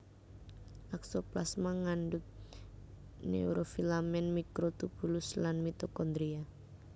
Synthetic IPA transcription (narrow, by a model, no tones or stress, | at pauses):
ʔaksoplasmaŋaɳɖʊt̪̚ | nḛuɾofilamɛnmikɾot̪upulʊslanmit̪okɔnd̪ɾia